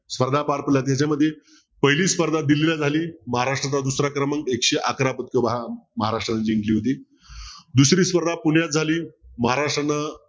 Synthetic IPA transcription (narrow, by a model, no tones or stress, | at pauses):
spəɾd̪ʱapaɾpəljat̪̬jat͡ɕaməd̪ʱːje | pəɦiliːspəɾd̪ʱad̪ililad͡zʱaliːməɦaɾaʂʈɾat̪ad̪usɾakɾəməŋɡekɕeʔakɾapət̪̚koʋaɦaməɦaɾaʂʈɾanəd͡ʑiŋɡliːɦot̪iː | d̪usɾiːspəɾd̪ʱapuɳjat̪̚d͡zʱaliːməɦaɾaʂʈɾanːa